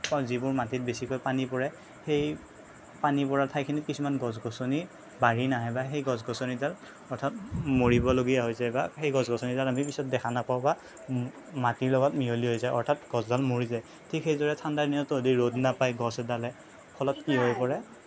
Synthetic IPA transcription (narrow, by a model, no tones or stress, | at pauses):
kazibʊɹmatit̚besikɔjpanipɔɹɛ | xej | panipɔɹatʰajkʰinikisumanɡɔzɡɔsoni | baɹinaɦɔjbaxejɡɔzɡɔsonizal | ɔɹtʰat̚moɹibɔloɡijaɦojzajbaxejɡɔzɡɔsɔnizalamipisɔt̚dɛkʰanapaʊba | matiɹlɔɡɔtmiɦoliɦojzajɔ̰ɹtʰatɡ̥ɔzdalmoɹizaj | tʰikxejdɔɹɛtʰandaɹnijɔtɔodiɹodnapajɡɔsɛdalɛ | pʰɔlɔt̚kiɦɔjpɔɹɛ